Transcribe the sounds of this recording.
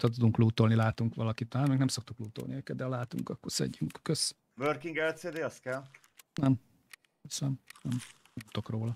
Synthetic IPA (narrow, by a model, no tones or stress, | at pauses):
t̪ɒt̪̬ud̪uŋkluːt̪o̞lnilaːt̪uŋkʋɒlɒkit̪ːaːt̪mɛɡnɛmso̞k̚t̪ukluːt̪olniøːkɛd̪d̪ɛɒlaːt̪ṵŋkɒkːorsɛ̰ɟːyŋkkøs | vørkiŋɡɛlseːd̪eːɒst̪kɛl | nɛm | snɛmnɛmt̪ːo̞kroːlɒ